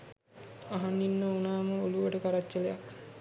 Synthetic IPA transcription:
aɦanːinːəunaːməoluʋəʈəkaɾad͡ʒːəlejak

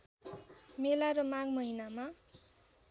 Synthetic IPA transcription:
melaɾʌmaɡmʌɦinama

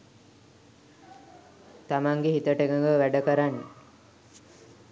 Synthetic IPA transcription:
t̪amaŋɡeɦit̪əʈeɡəŋɡəʋæɖəkəɾanːe

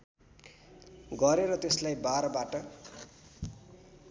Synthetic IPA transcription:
ɡʌɾeɾʌt̪eslajbaɾʌbaʈʌ

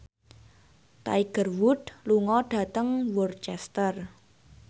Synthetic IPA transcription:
t̪a̰iɡ̥ərwʊd̪luŋɔɖ̥ä̤t̪əŋwɔrt͡ʃɛst̪ər

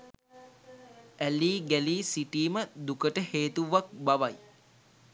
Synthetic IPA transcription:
æliːɡæliːsiʈiːməd̪ukəʈəheːt̪uʋak̚baʋaj

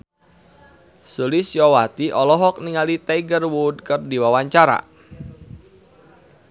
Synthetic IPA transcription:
sulɪsjɔwat̪iʔɔlɔɦɔk̚niŋalit̪aiɡərwud̚kərdiwawaɲt͡ʃaɾa̰

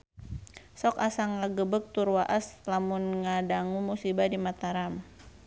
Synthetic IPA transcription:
sɔkasaŋaɡəbək̚t̪urwaʔaslamʊnŋadaŋumusibadimat̪aɾam

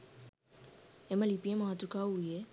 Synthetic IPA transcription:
ɛməlipiɛ̃maɦat̪ukaujɛ

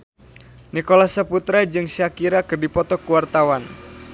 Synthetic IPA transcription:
nikolasəput̪ɾad͡ʒɨŋsiakiɾakɨrdipɔt̪ɔkuwart̪awan

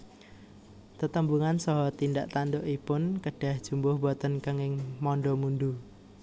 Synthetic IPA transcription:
t̪ət̪əmbuŋansɔɦɔt̪ind̪aʔt̪and̪oʔipʊnkəɖ̥a̤hd̥ʒ̥ṳmbʊhbɔt̪ənkəŋɪŋmɔnɖɔmund̪u

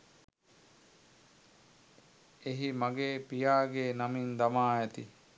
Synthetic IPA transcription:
eɦimaɡeːpijaːɡeːnamind̪ɐmaːæt̪i

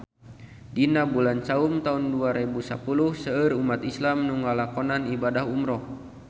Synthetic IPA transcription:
dinabulant͡ʃaumt̪aunduaɾebusa̰puluhsəərumat̪islamnuŋalakɔnanibadaɦumɾɔh

